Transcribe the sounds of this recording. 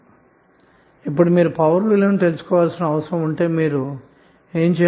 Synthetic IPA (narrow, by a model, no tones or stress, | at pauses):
ip̬ːuɽimiːɾupɐʋɐɾʋilɐnt̪elusu̥kɔːʋaːlsinɐːʋɐsɐɾɐmuɳʈe̞ːmiːɾu | e̞ːɲt͡ʃɛː